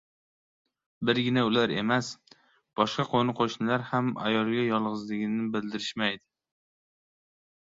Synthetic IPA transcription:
bɪɾɡʲɪnɛulaɾemɛs | b̥ɒʃqɑqʰonɨqʰoʃnɪlaɾhamæ̰jɒlˠɡʲɛjɒlˠʁɨzlɪɡʲɪnɪbɪld̪ɪɾɪʃmɛjd̪ɪ

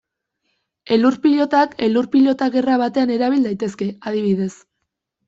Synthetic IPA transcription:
e̞luɾpiʎo̞t̪ake̞luɾpiʎo̞t̪aɣe̞raβat̪e̞ane̞ɾaβild̪ajt̪e̞ske̞aðiβ̞iðe̞s

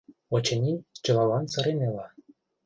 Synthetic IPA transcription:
ot͡ɕĕnʲinʲt͡ɕɤ̆lɑlɑnsɤ̆ɾenelɑ

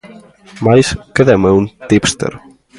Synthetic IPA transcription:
majskeðɛmɐũnt̪ipst̪ḛɾ

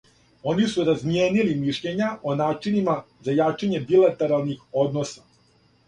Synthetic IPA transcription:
o̞nisuɾazmjeːnilimiʃʎeɲaʔo̞naːt͡ʃinima | zajaːt͡ʃaɲe̞bilat̪e̞ɾalˠnixo̞d̪no̞sa

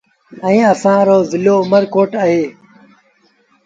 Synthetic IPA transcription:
ɛ̃ːəsãːɾoːzɪloːʊməɾkoːʈaːɦeː

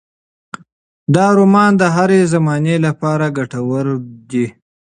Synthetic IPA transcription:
d̪ɑɾumɑnd̪əɦaɾezamɑnelapɑɾaɡaʈawəɾd̪i

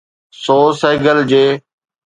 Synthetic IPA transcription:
soːseːɡəld͡ʑeː

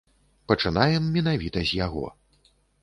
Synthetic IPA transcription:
pɐt͡ʂɨnajɛmːʲɛn̪avʲit̪ɐzʲjaɣɔ̰

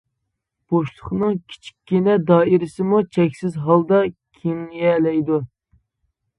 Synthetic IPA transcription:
b̥oʃlˠʊχnɨŋkʲʰi̥t͡ʃʰi̥kʲːinɛd̪ɑːiɾɪsɪmut͡ʃʰɛkʲsɪzɦɑlˠd̪ɑkʲʰimlijɛlɛjd̪u

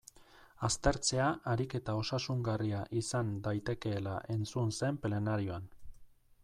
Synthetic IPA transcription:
ast̪e̞ɾt͡se̞aʔaɾike̞t̪ao̞sasuŋɡariaʔisand̪ajt̪e̞ke̞ːlaʔe̞nt͡sunse̞mple̞naɾio̞an

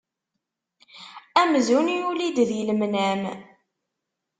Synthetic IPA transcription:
æmzuniulid̪ðjəlmnæm

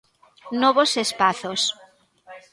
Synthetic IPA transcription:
nɔβosespaθos

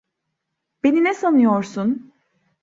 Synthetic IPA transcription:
b̥eninɛsanɯjoɾsun

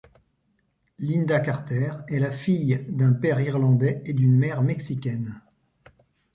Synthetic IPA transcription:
lind̪akaʁt̪ɛʁɛlafijd̪ɛ̃pɛʁiʁlɑ̃d̪ɛed̪ynmɛʁmɛksikʲɛn

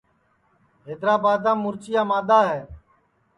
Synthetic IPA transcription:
ɦeːd̪ɾaːbaːd̪ãːmʊɾt͡ʃɪjaːmaːd̪aːɦɛː

